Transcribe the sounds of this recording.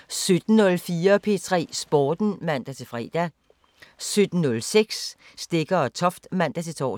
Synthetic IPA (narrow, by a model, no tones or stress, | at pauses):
sød̥n̩nɔ̽lfiːɐpʰe̝̰ːt͡sʰʁɛ̰ːsb̥ɒːd̥n̩mæn̰d̥æt͡sʰe̝fʁɛ̰ːd̥æ | sød̥n̩ːɔ̽lseɡ̥sː | d̥e̝ɡ̥ɐɒ̽t͡sʰɒ̽fd̥mæn̰d̥æt͡sʰe̝t͡sʰɒ̰ː